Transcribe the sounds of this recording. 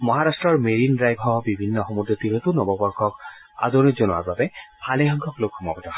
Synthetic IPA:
mɔɦaɹastɹɔɹmeɹindɹajbʱɔbibʱinːɔxɔmudɔtiɾɔt̪ʊnɔbɔbɔɹkʰɔk | a̰d̪onizonʊwa̰ɹbabɛhʰaleɦɔŋɡʱɔklokxɔmɔ̰bɔtɔ

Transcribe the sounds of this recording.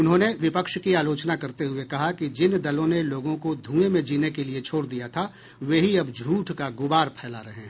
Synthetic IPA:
ʊnɦõːneʋɪpəkʃkiaːloːt͡ʃnakɐɾt̪eɦʊekɐɦakid͡ʒɪnd̪ɐlõneloːɡõkod̪ʱũːemẽd͡ʒiːnekeliet͡ʃʰoːɽd̪ijat̪ʰa | ʋeːɦiɐbd͡ʒʱuːʈʰkaɡʊbaːɾpʰɛːla̰ɾɐɦɛ̃ː

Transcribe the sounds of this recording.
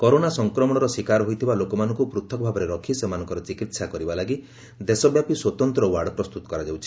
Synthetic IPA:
kɔɾonasɔŋkɾɔmɔɽɔɾɔsikaɾɔɦojt̪ʰibalokɔmanɔŋkupɾut̪ʰɔkɔbʱabɔɾeɾɔkʰisemanɔ̃ŋkɔɾɔt͡ʃikit̪sakɔɾibalaɡi | d̪esɔbjapiswɔt̪ɔnt̪ɾɔwaɾɖpɾɔst̪ut̪ɔ̥kɔɾad͡ʒawt͡ʃʰi̥

